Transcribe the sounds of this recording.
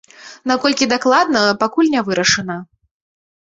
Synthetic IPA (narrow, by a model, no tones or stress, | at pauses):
nakɔlʲkʲid̪aklˠad̪nɐpakulʲnʲavɨɾɐʂɨnɐ